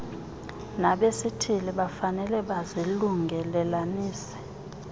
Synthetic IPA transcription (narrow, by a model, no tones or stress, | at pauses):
naɓesitʰiliɓafanɛlɛɓaziluŋɡʱɛlɛlaniːsɛ̥